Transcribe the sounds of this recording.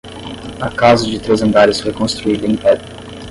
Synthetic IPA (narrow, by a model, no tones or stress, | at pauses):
akawzɐd͡ʒɪt̪ɾezɐ̃nd̪aɾɪshekõst̪ɾuilĩpɛd̪